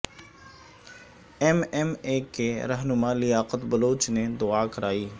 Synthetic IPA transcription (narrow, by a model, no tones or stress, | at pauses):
ɛmɛmekeɾɐɦnʊmalɪjaːqət̪bɐloːt͡ʃned̪ʊaːkɐɾaːiː